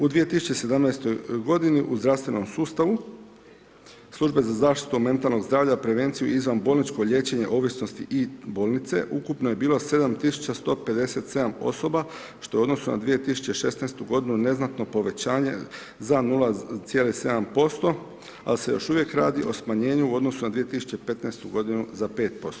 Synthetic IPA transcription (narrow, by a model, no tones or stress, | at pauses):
ud̪ʋije̞t̪isu̥t͡ɕe̞se̞d̪amnajst̪o̞jɡo̞d̪iniʔuzd̪ɾafst̪ʋe̞no̞msuːst̪aʋu | slˠuʒbe̞zazaːʃt̪i̥t̪ume̞nt̪alˠno̞ɡzd̪ɾaːʋʎapɾe̞ʋe̞ːnt̪sijuizʋanbo̞ːlˠnit͡ʃko̞ʎe̞t͡ɕe̞ɲe̞ʔo̞ʋisno̞st̪iʔiboːlnit̪se̞̰ʔukupnojebiːlo̞se̞d̪amt̪isu̥t͡ɕast̪o̞pe̞d̪e̞se̞t̪se̞d̪amo̞̰so̞ba | ʃt̪o̞jeuo̞d̪no̞suna̰d̪ʋije̞t̪isu̥t͡ɕe̞ʃe̞snajst̪uɡo̞d̪inune̞znat̪no̞po̞ʋe̞t͡ɕaːɲe̞̰ | zanulˠat̪sje̞ːlise̞d̪ampo̞st̪o̞ | a̰lse̞jo̞ʃuʋjekɾa̰ːd̪iʔo̞smaɲe̞ːɲuuo̞d̪no̞sunad̪ʋije̞t̪isu̥t͡ɕe̞pe̞t̪najst̪uɡo̞d̪inuzape̞ːt̪̚po̞st̪o